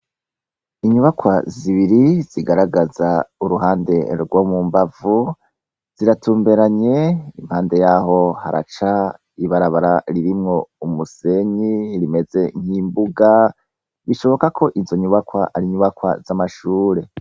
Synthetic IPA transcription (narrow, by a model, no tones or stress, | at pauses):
iɲuβakwaziβiɾiz̥iɡaɾaɡazauɾuɦaːnde̞ɾɡwomumbavu | z̥iɾatuːmbe̞ɾaɲe̞ḭm̥haːnde̞jaːɦo̞ha̰ɾa̰t͡ʃa | iβaɾaβaɾaɾiɾimŋo̞umuse̞ɲiɾime̞ze̞ŋ̥hiːmbuɡa | βiʃo̞βo̞kakʰo̞ʔizo̞ɲuβakwaʔaɾiɲuβakwa̰zamaʃuːɾe̞